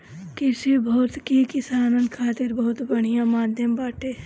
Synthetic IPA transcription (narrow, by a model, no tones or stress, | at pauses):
kɪsebɔɦt̪kikɪsaːnə̃nkʰaːt̪ɪɾbɐɦʊt̪bɐɽ̤̃ijãmaːd̪ʱjəmbaːʈeː